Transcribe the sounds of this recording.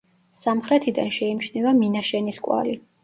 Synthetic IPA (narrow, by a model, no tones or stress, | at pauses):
samχɾɛt̪ʰid̪a̰nʃɛimʃnɛvaminaʃɛniskʼwa̰li